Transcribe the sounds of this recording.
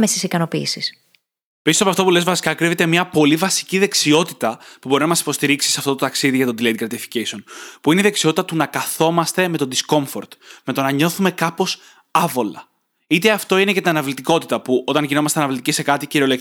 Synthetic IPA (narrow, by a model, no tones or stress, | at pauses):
mesisikɐno̞piːsis | pisosɐpɐft̪o̞pule̞zvɐsi̥kɐkɾiðet̪emɲɐpo̞livɐsi̥ciðe̞ksio̞t̪i̥t̪ɐpubo̞ɾinɐmɐsi̥po̞st̪iɾiksiseɐft̪ot̪ot̪ɐksiðiʝɐt̪od̪ilet̪ɡɾɐt̪ifi̥cesio̞npuineiðe̞ksio̞t̪i̥t̪ɐt̪unɐkɐθo̞mɐst̪e̞me̞t̪od̪isko̞ɱfo̞̰ɾt̪me̞t̪o̞nɐɲo̞θume̞kɐpo̞s | ɐvo̞lɐ̰ | it̪e̞ɐft̪o̞inece̞t̪inɐnɐvlit̪iko̞t̪it̪ɐpuʔo̞t̪ɐnʝino̞mɐst̪e̞ɐnɐvlit̪icise̞kɐt̪iciɾio̞lek